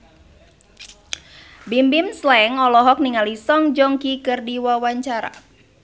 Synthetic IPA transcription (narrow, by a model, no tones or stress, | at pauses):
bimbimslɛŋɔlɔɦɔk̚niŋalisɔŋd͡ʒɔŋkikɨrdiwawaɲt͡ʃaɾa̰